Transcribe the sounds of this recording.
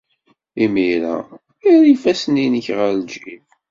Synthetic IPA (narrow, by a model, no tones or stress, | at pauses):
imiɾæ̰ | iɾifæsəninəçʁəɾd͡ʒif